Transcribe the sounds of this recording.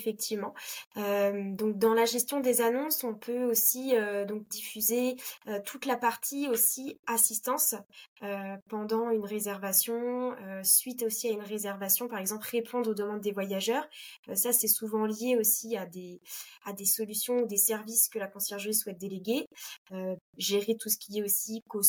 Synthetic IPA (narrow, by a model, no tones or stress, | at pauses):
fɛk̚t̪ʰivmɑ̃ømd̪ɔ̃k̚d̪ɑ̃laʒɛst̪jɔ̃d̪ezanɔ̃sɔ̃pʰøosiød̪ɔ̃k̚d̪ifyzeøt̪ʰut̪lapaʁt̪ʰiosiasist̪ɑ̃søpɑ̃d̪ɑ̃ynʁezɛʁvasjɔ̃øsɥit̪osiaynʁezɛʁvasjɔ̃paʁɛɡzɑ̃plʁepʰɔ̃d̪ʁod̪əmɑ̃d̪ːevwajaʒœːʁ | sasɛsuvɑ̃ljeosiad̪ead̪esɔlysjɔ̃ud̪esɛʁviskəlakɔ̃sjɛʁʒʁisːwɛt̪̚d̪eleɡʲeøʒeʁet̪usə̥kʲʰiɛosikoz